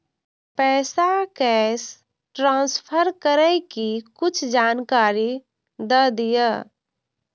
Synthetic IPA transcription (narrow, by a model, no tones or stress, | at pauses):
pɛːsakɛːs | ʈɾãːnspʰəɾkəɾɛkikʊt͡ʃʰd͡ʒaːnkaːɾi | d̪əd̪ijə